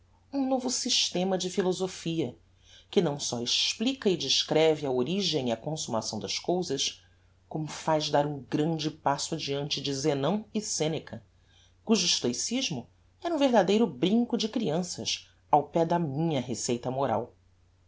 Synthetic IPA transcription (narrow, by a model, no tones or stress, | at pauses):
ũnovʊsiʃt̪ẽmɐd͡ʒɪfilozofiɐ | kɪnɐ̃w̃sɔɪʃplikɐɪd͡ʒɪʃkɾɛvɪɐoɾiʒẽj̃iɐkõsumasɐ̃w̃d̪ɐʃkowzɐʃ | kõmʊfajzd̪aɾũɡɾɐ̃nd͡ʒɪpasʊad͡ʒiɐ̃nt͡ʃɪd͡ʒɪzenɐ̃w̃ɪsẽnekʰɐ | kuʒʊiʃt̪ojsiʒmʊ | ɛɾũveɦd̪ad̪ejɾʊbɾĩŋkʊd͡ʒɪkɾiɐ̃sɐ̰ʃ | awpɛd̪ɐmĩɲɐɦesejt̪ɐmoɾa̰w